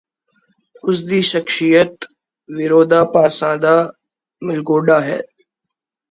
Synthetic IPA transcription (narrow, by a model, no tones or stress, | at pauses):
ʊs̬d̪iːʃɐkʃijət̪ | ʋɪɾoːd̪aːpaːsãːd̪aː | mɪlɡoːɖaːɦɛ̰ː